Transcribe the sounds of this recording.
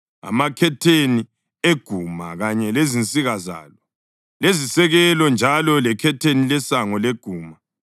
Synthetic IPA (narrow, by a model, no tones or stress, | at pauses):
a̰makʰɛtʰeni | eɡ̥ʱumaɣaɲɛlezint͡sʼiɣaza̰ːlɔ | lezisɛɣɛlɔnd͡ʒʱalɔlɛkʰɛtʰenilɛsaŋɔleɡ̥ʱuːma